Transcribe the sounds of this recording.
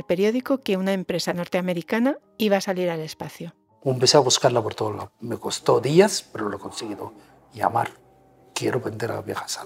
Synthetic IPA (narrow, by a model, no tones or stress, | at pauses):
lpe̞ɾjo̞ðiko̞ke̞unaempɾe̞sano̞ɾt̪eame̞ɾikana | iβ̞aːsaliɾale̞spaθjo | empeseaβuskaɾlapoɾt̪ola̰meko̞st̪o̞ðiaspeɾolokonseɣiðo | ja̰ma̰ɾ | kjeɾoβe̞nd̪e̞ɾa̰βjexḁsa